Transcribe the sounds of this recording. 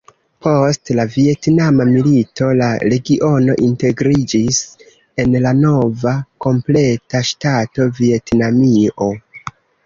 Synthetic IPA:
pʰo̞stlavie̞tnamamilito̞laɾe̞ɡiʔo̞no̞̰ʔinte̞ɡɾid͡ʒis | e̞nlano̞vako̞mple̞taʃtato̞vie̞tnamio̞

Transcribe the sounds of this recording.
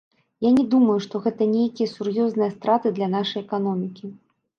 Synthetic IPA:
janʲɛd̪umɐjuʂt̪ɔɣɛt̪ɐnʲejkʲijɐsurjɔznɨjɐst̪ɾat̪ɨd̪lʲɐnaʂɐjɛkan̪ɔmʲikʲi

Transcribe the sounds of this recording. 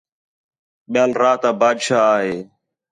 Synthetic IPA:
ɓɪjaːlɾaːt̪ãːbaːd̪ʃaːaːɦeː

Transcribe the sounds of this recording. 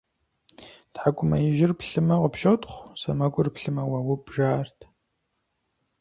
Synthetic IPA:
tħakʷʼʊmɐjɪʒɪrpɬɨmɐʁəpʃotʼχʷsɐmɐkʷʼʊrpɬɨmɐwɐwʊpʒaːrtʰ

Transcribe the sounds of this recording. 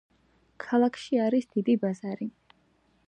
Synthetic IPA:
kʰalˠakʰʃiaɾisd̪̥id̪ibazaɾi

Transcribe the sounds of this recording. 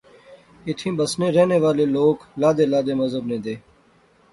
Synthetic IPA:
ɪt̪ʰĩːbəsneːɾeːneːʋaːleːloːklaːd̪eːlaːd̪eːməzəbnẽːd̪eː

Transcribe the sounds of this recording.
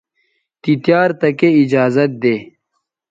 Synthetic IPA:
t̪it̪jaːɾt̪ɐkeid͡ʒaːzɐt̪̚d̪eː

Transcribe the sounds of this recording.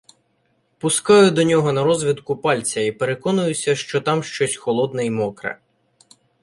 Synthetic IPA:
pʊskɑjʊd̪ɔnʲɔɦɔnɐɾɔzʋʲid̪kʊpɑlʲt͡sʲɐipeɾekɔnʊjʊsʲɐʃt͡ʃɔt̪ɑmʃt͡ʃɔsʲxɔlˠɔd̪nɪjmɔkɾɐ̰

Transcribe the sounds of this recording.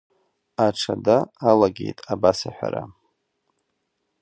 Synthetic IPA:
aʈ͡ʂʰadaːlaɡʲe̞̰jtʼabasaħʷᶣa̰ɾa

